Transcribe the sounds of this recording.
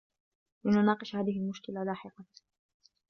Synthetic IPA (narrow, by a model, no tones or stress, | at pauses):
lɪnʊnɑːqɨʃhaːðɪhɪlmʊʃkɪlalaːħɪqɑ